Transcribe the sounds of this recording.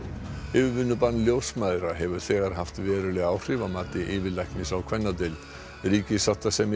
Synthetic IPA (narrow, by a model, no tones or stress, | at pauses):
ɪvvʏnːʏpanːljowsmajðɾaɦɛvʏɾ̥θɛːɣaɾ̥ɦaft̪vɛːɾʏlɛɣaːwr̥ɪvamaːt̪ɪʔɪːvɪðlajhknɪsawkʰvɛnːat̪ɪl | ɾiːcɪsawt̪asɛm